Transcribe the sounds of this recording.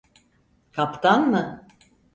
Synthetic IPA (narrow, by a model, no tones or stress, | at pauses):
kʰapt̪ʰanmɯ